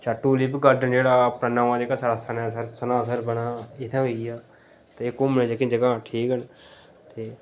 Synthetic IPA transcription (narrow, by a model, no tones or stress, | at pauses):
t͡ʃaʈːuːliːpɡəɾɖənd͡ʒeːɽaːəpnaːnaːʋãːd͡ʒeːkasaːɾaːsənaːsəɾsənaːs̬əɾbənaːɪt̪ʰãːɦoiaː | t̪eːkʊmnẽːd͡ʒekẽd͡ʒəɡaːʈʰiːkən | t̪eː